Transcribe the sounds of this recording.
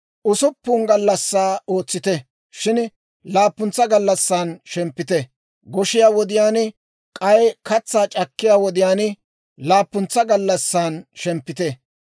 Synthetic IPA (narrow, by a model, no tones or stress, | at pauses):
ʔʊsʊpːuːnɡɐlːɐsːaːo̞ːt͡sːɪt̪ɛ | ʃɪn | laːpːʊnt͡sːɐɡɐlːɐsːaːnʃɛmpːɪt̪ɛ | ɡɔʃɪjaːwɔd̪ɪjaːn | kʼɐjkɐt͡sːaːt͡ʃʼɐkːɪjaːwɔd̪ɪjaːnɪ | laːpːʊnt͡sːɐɡɐlːɐsːaːnʃɛmpːɪt̪ɛ